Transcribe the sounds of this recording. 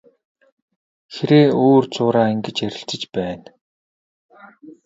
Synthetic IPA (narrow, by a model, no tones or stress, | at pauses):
xeɾeːoːrt͡sʊːɾaːiŋɡĕt͡ɕæɾʲɪ̆ɬt͡sɪ̆t͡ɕpæːn